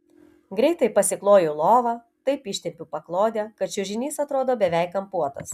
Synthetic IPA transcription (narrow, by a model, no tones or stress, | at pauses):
ɡɾʲɛɪt̪ɐɪpɐsʲɪklˠoːjʊlˠoːʋɐ | t̪ɐɪpɪʃʲt̪ʲɛpʲʊpɐklˠoːd̪ʲɛkɐt̪t͡ʃʲʊʒʲɪnʲiːsɐt̪ɾoːd̪oːbʲɛʋʲɛɪkɐmpuɔt̪ɐ̰s